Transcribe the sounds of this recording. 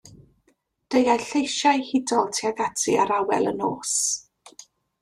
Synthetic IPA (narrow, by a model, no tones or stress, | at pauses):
d̥ejajɬejʃajhɪdɔlˠtʰiaɡatʰḭaɾawɛ̰lˠə̰noːs